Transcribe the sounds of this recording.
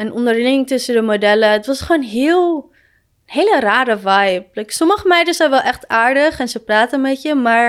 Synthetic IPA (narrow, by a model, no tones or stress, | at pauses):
ɛnʔɔndəɹlɪŋɪŋtɵsədəmodɛləətʋɑsχoːnɦɪːlˠ | nɦejləraːɾəʋajp̚lɛjksɔməχəmɛjdəszɛjnʋɛlˠʔɛχtaːɹdəχɛnsəpraːtənmɛtjəmaːɹ